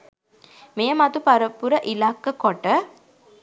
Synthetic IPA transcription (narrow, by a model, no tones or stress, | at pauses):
mejəmat̪upaɾəpuɾəʔilakːəkoʈə